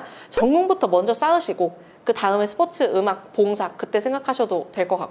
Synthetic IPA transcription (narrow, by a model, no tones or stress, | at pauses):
t͡ɕʌŋːuŋbutʰʌmʌnd͡ʑʌs͈aɯɕʰiɡo | kɯtaɯmesʰɯ̥pʰʌtʰɯɯmak̚poŋsʰak̚k͈ːɯt͈e̞sʰe̞ŋɡakʰaɕʰʌdotwe̞ɭk͈ʌk͈a̰k͈